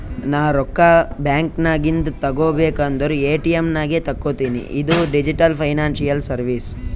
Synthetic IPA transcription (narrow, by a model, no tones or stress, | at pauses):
naːɾɔkːabjaːŋknaːɡint̪ɐt̪ɐɡoːbeːkaːnd̪ɐɾueːʈiemnaːɡet̪ɐkːoːt̪iːnḭʔid̪uɖid͡ʒiʈɐlpʰɐjnaːnsijɐlsɐɾʋiːs